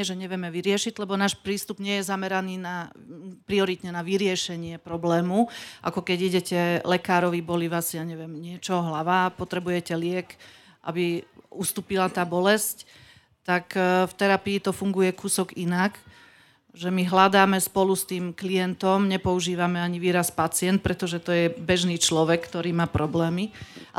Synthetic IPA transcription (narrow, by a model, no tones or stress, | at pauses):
ɛʒɛɲɛʋjɛmɛʋiɾɪɛʃiɟlɛbɔnaːʃpɾiːst̪ubɲɪɛjɛzamɛɾaniːnapɾiɔɾit̪ɲɛnaʋiɾɪɛʃɛɲɪɛpɾɔblɛːmuʔa̰kɔkɛɟiɟɛcɛlɛkaːɾɔʋibɔliʋasiaɲɛʋɪɛmɲɪɛt͡ʃɔɦlaʋapɔt̪ɾɛbujɛcɛlɪɛk | ʔa̰biust̪uːpilat̪aːbɔlɛsc | t̪akft̪ɛɾapiːt̪ɔfuŋɡujɛkuːsɔɡinak | ʒɛmiɦlad̪aːmɛspɔlust̪iːmklijɛnt̪ɔmɲɛpɔuʒiːʋamɛaɲiʋiːɾaspat͡sɪɛnt̪̚pɾʔɛt̪ɔʒɛt̪ɔjɛbɛʒniːt͡ʃlɔʋɛkkːt̪ɔɾiːmaːpɾɔblɛːmi